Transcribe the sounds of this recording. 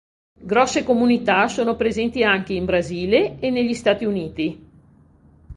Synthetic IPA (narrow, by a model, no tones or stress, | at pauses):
ɡɾɔsːekomunit̪asoːnopɾezɛnt̪iaŋk̟eimbɾaziːleːnːeʎːist̪aːt̪iuniːt̪i